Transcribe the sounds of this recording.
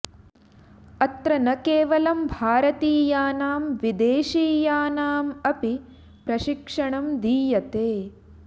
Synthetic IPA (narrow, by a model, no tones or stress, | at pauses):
ɐt̪ɾɐnɐkeːʋɐlɐmbʱaːɾɐt̪iːjaːnaːmʋid̪eːʃiːjaːnaːmɐpi | pɾɐʃikʂɐɳɐmd̪iːjɐt̪eː